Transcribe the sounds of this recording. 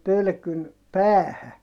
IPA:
pølkyn pæːhæ

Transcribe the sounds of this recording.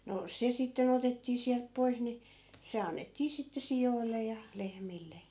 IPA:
no se sitːen̞ otetːiː siælp pois ni se ɑnːetːiː sitːe sijoilːe jɑ lehmilːe

